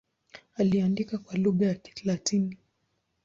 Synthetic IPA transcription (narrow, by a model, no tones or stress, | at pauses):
aliandikakwaluɠajaki̥θlatini